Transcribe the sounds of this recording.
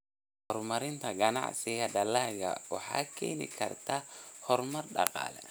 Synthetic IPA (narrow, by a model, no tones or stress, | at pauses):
hɔrmɐɾɪnt̪ʰɐɡɐnɑ̰ʕsɪɣɐdɐlaːɣɐ̰wɑ̰ħɑ̰ːkʰɛ̰ːnɪ̰kʰɐ̰rt̪ʰahɔrmɐrɖɑ̰qɑ̰ːlɛ̰